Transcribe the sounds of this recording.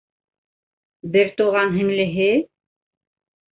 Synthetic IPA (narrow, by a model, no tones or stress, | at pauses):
bɘɾt̪uʁɑnɦɘ̆ŋlɘ̆ɦɘ